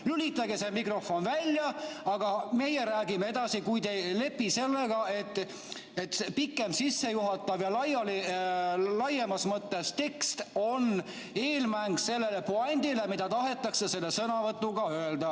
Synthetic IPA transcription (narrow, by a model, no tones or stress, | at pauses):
ylʲit̪ːɑɡesemikro̞fo̞nvælʲjɑɑɡ̥ɑme̞jeɾæːɡimee̞d̪̥ɑsikujd̪e̞jle̞pːise̞lːe̞ɡ̥ɑe̞t̪ːˑ | et̪pikːˑe̞msisːe̞juɦɑt̪ːˑɑvjɑlɑjɑli | lɑjemɑsmɤt̪ːe̞st̪e̞kst̪o̞n | e̞ːlmæŋɡ̥se̞lːe̞le̞poɑnʲd̪̥ile̞mid̪̥ɑt̪ɑɦe̞t̪ːˑɑkse̞se̞lːe̞sɤnɑvɤt̪ːuɡɑøeld̪ɑ